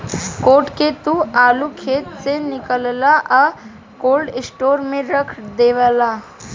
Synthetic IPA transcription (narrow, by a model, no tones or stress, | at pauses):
koːʈket̪ũaːlukʰeːt̪senɪkəllaʔa | koːlɖɪsʈoːɾmẽɾəkʰd̪eːʋəlaː